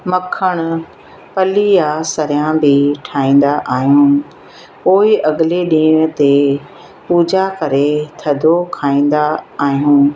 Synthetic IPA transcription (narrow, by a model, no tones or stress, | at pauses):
mɐkʰəɽ̃ʊ̆ | pɐlijasɐɾijãbʱɪʈʰaːĩːn̆d̪aʔaːɦijũː | poːiʔɐɠɪleɗĩːɽ̃ʊt̪e | puːd͡ʑakɐɾet̪ʰɐd̪ʱokʰaːĩːn̆d̪aaːɦijũː